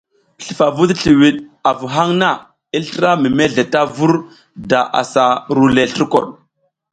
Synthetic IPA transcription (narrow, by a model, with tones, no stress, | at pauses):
ɬi˨fa˨vu˦tɬi˨wi˨ɗa˨vu˨ɦa˦ŋna˦˨ | i˦ɬɾa˦mi˨me˦ɮe˨ta˦vu˦ɾ | da˨ʔa̰˨sa˨ɾu˦le˨ɬə˦ɾko̰˨ɗ